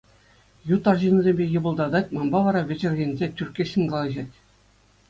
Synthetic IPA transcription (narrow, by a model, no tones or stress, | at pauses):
jut̪ːɑrʑinuzʲemʲbʲejɤ̆bɤ̆lˠd̪ɑd̪ɑtʲmɑmbɑʋɑɾɑʋʲɘ̆d͡ʑɘ̆rʲɣʲĕnʲzʲetʲyrʲkʲːeɕɘ̆nʲɡɑlˠɑʑɑtʲ